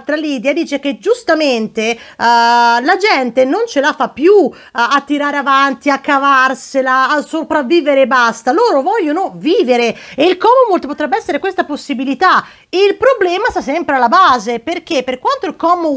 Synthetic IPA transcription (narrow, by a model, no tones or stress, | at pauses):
t̪ɾalid̪jad̪iːt͡ʃek̟ed͡ʒust̪ament̪e | lad͡ʒɛnt̪enont͡ʃelafapːju | at̪ːiɾaːɾeavant̪iakːavarselaːsːopɾavːiːveɾebast̪aloːɾovɔʎːonoviːveɾeeilkɔːmomolt̪pot̪ɾɛbːeɛsːeɾekwest̪aposːibilit̪a | eilpɾoblɛːmast̪as̬ɛmpɾealːabaːzeperk̟epːerkwant̪oilkɔmo